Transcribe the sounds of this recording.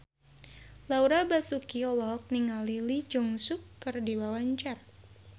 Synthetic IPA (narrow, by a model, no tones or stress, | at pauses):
lauɾabasukiɔlɔk̚niŋalilid͡ʒɔŋsʊkːɨrdiwawaɲt͡ʃar